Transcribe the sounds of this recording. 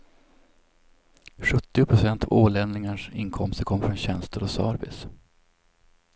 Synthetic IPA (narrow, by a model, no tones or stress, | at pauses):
ɧɵt̪ːɪʊpʰɾʊsɛnt̪ʰɑvoːlɛnnɪŋaʂɪ̰nkʰɔmst̪əɾkʰɔmːəfɾɔnɕɛnst̪əɾɔsɑ̰ːɾbɪ̰s